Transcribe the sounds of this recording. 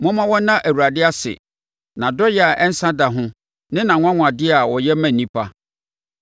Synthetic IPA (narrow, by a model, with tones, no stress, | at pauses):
mɔ̃˦mã˦wɔ˦nã˦ʔæ˨wu˨ɾa˨dɪ˦a˦sɪ̰˨ | nã˨dɔ˦jɛ˦a˨ʔɛ˦n̩˦sã˦da˨ɦʊ̃˦ | nɪ̃˦nã˨ŋ̃ʷ˦ã˦ŋ̃ʷ˨a˨dɪ˦a˨wɔ˨jɛ˦mæ̃˨n˨nĩ˦pʰa˦